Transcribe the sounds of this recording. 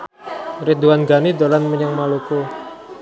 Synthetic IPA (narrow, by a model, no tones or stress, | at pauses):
rid̪uanɡanid̪olanməɲəŋmaluku